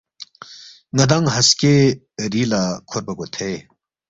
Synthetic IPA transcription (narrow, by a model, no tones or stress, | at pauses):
ŋɐd̪ɐŋɦɐske | ɾiːlakʰoɾbɐɡot̪ʰe